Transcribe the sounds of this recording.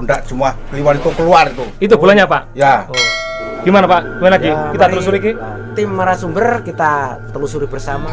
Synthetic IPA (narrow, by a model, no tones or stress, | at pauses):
undaʔt͡ʃumuakəlimanit̪ukəluart̪uit̪̬ubulaɲapaʔja | ɡ̥imanapaʔ | manlaɡikit̪at̪lus̬uɾiki | t̪imːaɾasumbərkit̪a | t̪əlusuɾibərsama